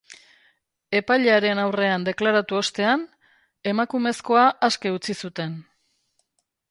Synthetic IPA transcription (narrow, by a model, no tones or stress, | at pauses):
e̞paʎeaɾe̞nawre̞and̪e̞klaɾat̪uo̞st̪e̞an | e̞makume̞sko̞aʔːske̞ut͡sisut̪e̞n